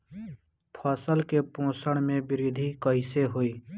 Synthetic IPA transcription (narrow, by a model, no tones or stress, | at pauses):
pʰəːsəlkepõːsəɽ̃mẽbɪɾiːd̪ʱikəɪseɦoiː